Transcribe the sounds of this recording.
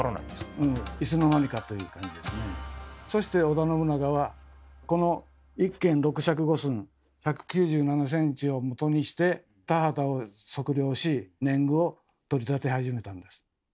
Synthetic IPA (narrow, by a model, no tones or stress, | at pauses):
ɾona̰ɲesɯ̃ːisɨno̞naɲ̟ikat̪o̞jɯ̟ːkãɲ̟d͡ʑid̪e̞sɨneso̞ɕi̥t̪e̞o̞d̪ano̞bɯ̟naɡaβako̞no̞ | ikːẽ̞nɾo̞kɯ̟ɕak̬ɯ̟ɡo̞sɨ̃ɴ | çakɯ̟̥kʲɨːʑɨːnanas̬ẽ̞ɲ̟t͡ɕio̞mo̞t̪o̞ɲ̟iɕi̥t̪e̞ | t̪aɦat̪aoso̞kɯ̟ɾʲjo̞ːɕinẽ̞ŋɡɯ̟o̞ | t̪o̞ɾʲit̪at̪e̞haʑime̞t̪ãnd̪e̞sɨ̥